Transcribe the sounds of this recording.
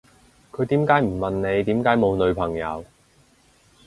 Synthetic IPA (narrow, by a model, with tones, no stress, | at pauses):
kʰɵ˨˧ɥt̪iː˨˥mkaː˨˥jm̩˨˩mɐ˨nne˨˧jt̪iː˨˥mkaː˨˥jmo˨˧wnɵ˨˧ɥpʰɐ˨˩ŋjɐ̰˨˧w